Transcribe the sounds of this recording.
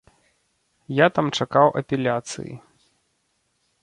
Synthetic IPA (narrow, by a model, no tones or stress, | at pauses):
jat̪amt͡ʂakawʔɐpʲɛlʲat̪sɨ̰jḭ